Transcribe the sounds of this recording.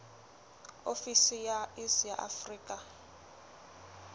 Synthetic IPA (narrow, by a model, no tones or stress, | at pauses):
ofisijaisjaʔa̰friːkʼa